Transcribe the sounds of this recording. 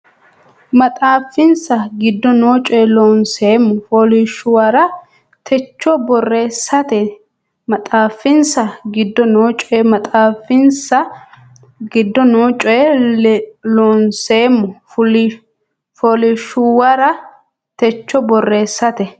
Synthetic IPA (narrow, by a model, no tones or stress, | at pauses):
mɐt̪ʼaːfːɪnsɐɡɪd̪ːɔnoːt͡ʃʼɔɛloːnseːmːʊfoːlɪʃʊwɐɾɐ | t̪ʰɛt͡ʃːɔbɔre̞ːsːɐt̪ɛ | mɐt̪ʼaːfːɪnsɐɡɪd̪ːɔnoːt͡ʃʼɔɛmɐt̪ʼaːfːɪnsɐ | ɡɪd̪ːɔnoːt͡ʃʼɔɛ | loːnseːmːʊ | foːlɪʃʊwɐɾɐ | t̪ɛt͡ʃːɔbɔrːe̞ːsːɐt̪ɛ